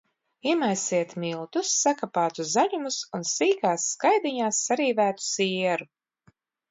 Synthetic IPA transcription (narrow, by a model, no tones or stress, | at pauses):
iɛmajsiɛt̪milˠt̪usːakapaːt̪uzaʎumusunsiːɡaːsːkajd̪iɲaːsːaɾiːvæːt̪u̥siɛɾu